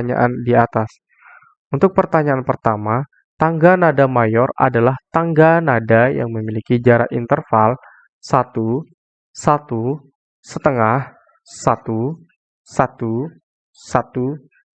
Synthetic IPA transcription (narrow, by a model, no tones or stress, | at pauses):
ɲa̰ʔandiat̪as | unt̪ʊk̚pərt̪aɲaanpərt̪ama | t̪aŋɡanadamajɔra̰dalaht̪aŋɡanadaja̰ŋməmilikid͡ʒaɾa̰ʔḭnt̪ərfal | sat̪u | sat̪u | sət̪əŋah | sat̪u | sat̪u | sat̪u